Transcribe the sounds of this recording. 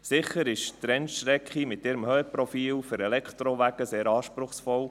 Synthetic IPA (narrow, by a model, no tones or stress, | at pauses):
sɪχəɾɪʃt̪ɾɛnʃɾɛkχimɪtɪɾəmhœəpɾɔfiːlfʏɾɛlɛkt̪ɾoʋæɡ̥əseːɾɑːʃpɾʊχsfɔl